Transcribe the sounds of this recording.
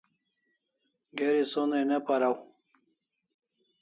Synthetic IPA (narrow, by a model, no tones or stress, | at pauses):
ɡeɾisonenepaɾaw